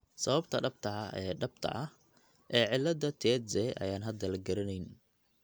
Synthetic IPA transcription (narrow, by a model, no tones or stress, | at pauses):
sɐβɐbt̪ʰɐɖɐb̚t̪ʰɐɐɛːɖɐb̚t̪ʰɐ̰ʔɐh | ʔɛːʕɪlːɐd̪ɐt̪ʰɛːsɛʔɐ̰jaːnɦɐd̪ɐlɐɡɐɾɐnɛjn